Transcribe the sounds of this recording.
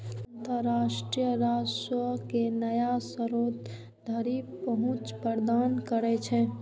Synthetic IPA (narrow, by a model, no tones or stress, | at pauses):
ə̃nt̪əɾːaʃʈɾijəɾad͡ʒsəkenəjasəɾoːt̪ | d̪ʱəɾipəɦũt͡ʃpəɾd̪ankəɾɛt͡ʃʰɛ